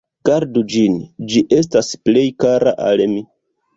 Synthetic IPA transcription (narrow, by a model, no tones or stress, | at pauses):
ɡ̥aɾdud͡ʒind͡ʒiʔe̞s̬tasple̞jkaɾaʔa̰lmi